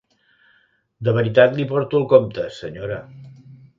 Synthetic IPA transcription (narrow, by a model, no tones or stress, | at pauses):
d̪əβ̞əɾit̪at̪lipɔɾt̪ulˠkomt̪əsəɲoɾə